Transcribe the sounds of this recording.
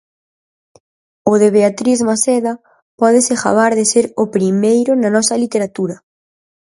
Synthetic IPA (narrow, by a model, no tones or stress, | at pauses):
ʊðeβeat̪ɾizmaseðɐ | pɔðɪsɪxa̰βaɾðɪseɾʊpɾimejɾʊnanɔsɐlit̪eɾat̪uɾɐ